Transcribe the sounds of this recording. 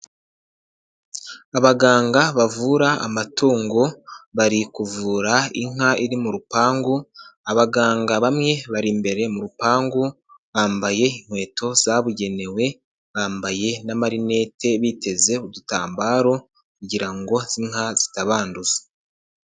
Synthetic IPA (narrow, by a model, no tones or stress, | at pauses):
aβaɡaːŋɡaβavuɾaa̰matuːŋɡoβaɾikuvuːɾaiŋ̥aiɾimuɾupaːŋɡuaβaɡaːŋɡaβamŋe̞βaɾimbe̞ɾe̞muɾupaːŋɡu | βaːmbaje̞iŋ̥hwe̞ːtʰo̞zaβuɟe̞ne̞we̞ | βaːmbaje̞namaɾine̞ːtʰe̞βitʰe̞ze̞uduta̰ːmbaːɾo̞ | kuɟiɾaŋɡo̞z̥iŋ̥haz̥itaβaːnduzḁ